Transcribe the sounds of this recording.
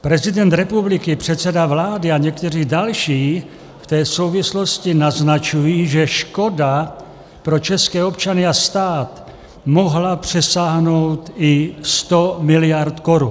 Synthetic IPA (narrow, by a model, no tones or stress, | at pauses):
pɾɛzɪdɛnt̪ɾɛpublɪkɪpr̝̥ɛt̪t͡sɛdavlaːdɪaɲɛkt̪ɛriːdalʃiː | ft̪ɛːso̞wvɪslo̞scɪnaznat͡ʃujiːʒɛʃko̞da | pɾo̞t͡ʃɛskɛːo̞pt͡ʃanɪast̪aːt̪ | moɦlapr̝̥ɛsaːɦno̞wt̪ɪst̪o̞mɪlɪjaɾt̪koɾu